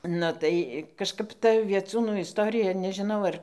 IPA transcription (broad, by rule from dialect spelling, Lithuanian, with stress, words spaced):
nʊ tɐɪ kɐʃˈkɐp ˈtɐ ʋʲiɛˈt͡suːnuː ɪsˈtoːrʲɪjɛ nʲɛʒʲɪˈnɐʊ ˈɐr